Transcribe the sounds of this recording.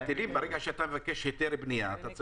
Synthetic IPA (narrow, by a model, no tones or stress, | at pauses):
t̪ilimbeʁeɡaʃeat̪amevakeʃjot̪eɾbnijaːt̪at͡s